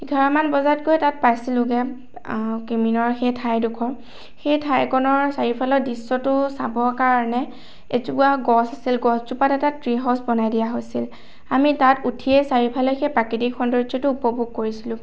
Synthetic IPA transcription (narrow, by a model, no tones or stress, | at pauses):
ɡʱaɹamanbɔzatkojɛtat̚pajsilʊɡɛ | kiminɔɹxejtʰajdukʰɔɹ | xejtʰajkɔnɔɹsaɹipʰalɔdisːɔtʊsabɔkaɹɔnɛ | etukuaɡɔsasilɡɔsd͡ʒupatɛtatɹiɦɔsbɔnajdijaɦojsil | amitatutʰiɛsaɹipʰalɔxejpɹakidikxɔndɔɹzɔtʊupɔbʱuɡ̚koɹisilʊ̃